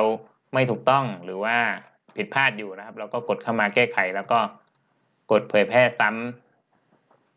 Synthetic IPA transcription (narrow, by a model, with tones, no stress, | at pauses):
ɾa˧w | ma˥˩jt̪ʰuː˨˩k̚t̪ɔ˥˩ŋɾɯː˩˦waː˥˩ | pʰi˨˩t̪̚pʰaː˥˩t̪̚juː˨˩na˦kʰa˦˥p̚lɛː˦˥wkɔː˥˩ko˨˩t̪̚kʰa˥˩wmaː˧kɛː˥˩kʰa˩˦jlɛː˦˥wkɔː˥˩ | ko˨˩t̪̚pʰɤː˨˦jpʰɛː˥˩sa˦˥m